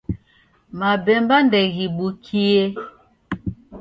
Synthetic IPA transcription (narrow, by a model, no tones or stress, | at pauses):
mabɛmbandɛɣiɓukʰie